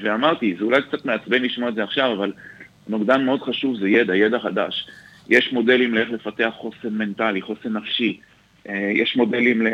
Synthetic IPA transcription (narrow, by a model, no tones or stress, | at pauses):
veamaʁt̪izeulajkt͡sat̪meat͡sbenliʃmoedzeaχʃavaval | noɡd̪anmeo̞d̪χaʃuvzejed̪ajed̪aχad̪a̰ʃ | jʔeʃmo̞d̪e̞limleeχle̞fat̪e̞aχːo̞senme̞nt̪aliχo̞senafʃi | ʔejeʃmo̞de̞limle